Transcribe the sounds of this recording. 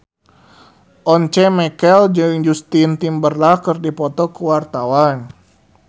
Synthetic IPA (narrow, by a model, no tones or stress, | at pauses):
ʔɔnt͡ʃɛmɛkɛld͡ʒɨŋd͡ʒust̪int̪imbərlakərdipɔt̪ɔkəwart̪awan